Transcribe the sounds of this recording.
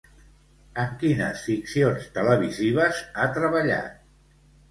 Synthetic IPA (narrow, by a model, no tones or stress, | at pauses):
əŋkinəsfiksionst̪ələβ̞iziβ̞əzat̪ɾəβəʎa̰t̪̚